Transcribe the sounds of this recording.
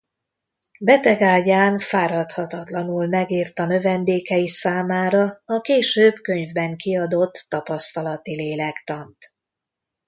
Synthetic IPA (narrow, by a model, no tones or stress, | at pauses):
bɛt̪ɛɡaːɟaːnfaːɾɒt̪hɒt̪ɒt̪lɒnulmɛɡiːrt̪ɒnø̞vɛnd̪eːkɛjisaːmaːɾɒɒkeːʃøːbkø̞ɲvbɛŋkiɒd̪o̞t̪ːɒpɒst̪ɒlɒt̪ileːlɛkt̪ɒnt̪